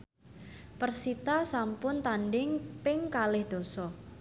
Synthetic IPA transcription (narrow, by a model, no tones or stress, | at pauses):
pərsit̪asampʊnt̪anɖɪŋpɪŋkalɪhd̪̥o̤sɔ